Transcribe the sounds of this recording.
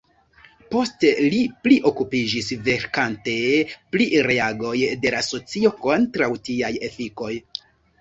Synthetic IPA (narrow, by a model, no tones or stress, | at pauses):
po̞ste̞lipliʔo̞kupid͡ʒisve̞ɾkante̞pliɾe̞aɡo̞jde̞laso̞t͡sio̞ko̞ntɾawtiaje̞fiko̞j